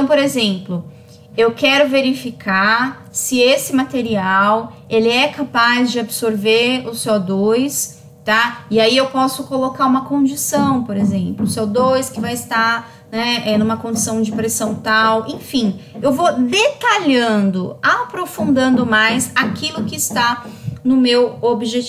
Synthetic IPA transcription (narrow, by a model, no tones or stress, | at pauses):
t̪ɐ̃w̃p̬oɾezẽplʊ | ewkɛɾʊveɾifikʰa | sɪesɪmat̪eɾiawelɪɛkapazd͡ʒɪabɪsoɾveʊsɔd̪ojs | t̪aiaiewpɔsʊkolokaũmɐkõd͡ʒisɐ̃w̃poɾezẽmplʊsɛwd̪ojskɪvajɪst̪a | nɛɛnũmɐkõd͡ʒɪsɐ̃w̃d͡ʒɪpɾesɐ̃w̃t̪awʔẽfĩewvod̪et̪aʎɐ̃nd̪ʊapɾofũnd̪ɐ̃nd̪ʊmajsakʰilʊkɪːst̪anʊmewobiʒet͡ʃ